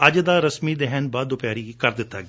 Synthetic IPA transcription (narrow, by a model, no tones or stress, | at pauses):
ɐd͡ʒəd̪aɾɐsmid̪ɛɦɛnbad̪opjaːɾikɐɾd̪ɪt̪ːa